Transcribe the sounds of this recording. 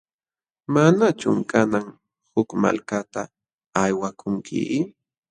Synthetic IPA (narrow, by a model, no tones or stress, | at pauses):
manat͡ʃʊ̰mkanaŋ | hʊkma̰lkat̪aː | jwakʰʊŋkʰɪ̰